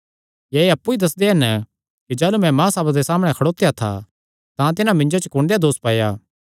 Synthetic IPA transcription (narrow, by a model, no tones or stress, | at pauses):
jɛːeɐpːuid̪ɐs̬d̪eɦɛn | kid͡ʒaːlumɛ̃mãːsaːbad̪esaːmɽ̃ɛ̃kʰɐɽoːt̪ːjat̪ʰa̰ | t̪ãt̪̬ɪnãmɪ̃ɲd͡ʒot͡ʃəkʊ̃ːɳɖejad̪oːspaːjaː